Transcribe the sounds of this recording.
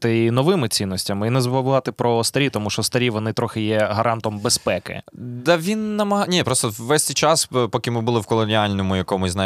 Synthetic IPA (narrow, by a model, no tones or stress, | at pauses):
t̪ɪinɔʋɪmɪt͡sʲinːɔsʲtʲɐmɪinɛzbʊʋlˠɑt̪ɪpɾɔst̪ɐɾʲit̪ɔmuʃt͡ʃɔst̪ɐɾʲiʋɔnɪt̪ɾɔxɪjɛɦɐɾʔɑnt̪ɔmbespɛkɪ̰d̪ɐʋʲinːɐmɐɦɑnʲipɾɔst̪ɔʋːɛsʲt̪ʲɪt͡ʃɑspɔkʲɪmɪbʊlˠɪwkɔlˠɔnʲɪalʲnɔmʊjɐkɔmʊznɑ